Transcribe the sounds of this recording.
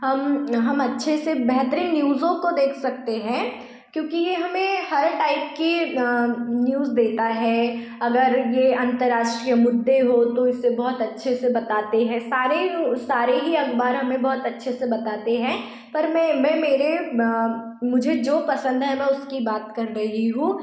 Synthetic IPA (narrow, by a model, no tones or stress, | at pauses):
ɦɐmɦɐmɐtːʃʰesebɛɦt̪əɾĩnjuːzõkod̪eːkʰsɐk̚t̪eɦɛ̃ː | kjõːkijeɦɐmẽhɐɾʈaːɪp̚ke | njuːzd̪eːt̪aɦɛ | ɐɡəɾjeɐ̃nt̪əɾːaːʃʈɾijəmʊd̪ʱːeɦot̪oɪsebɔɦʊt̪ɐtːʃʰesebɐt̪aːt̪eɦɛ̃saːɾesaːɾeɦiɐkbaːɾɦɐmẽbɔɦʊt̪ɐtːʃʰesebɐt̪aːt̪eɦɛ̃ː | pɐɾmɛ̃mɛ̃ːmeːɾe | mʊd͡ʒʱed͡ʒoːpɐsə̃nd̪ɦɛmɛ̃ːʊskibaːt̪kɐɾːɐɦiɦũː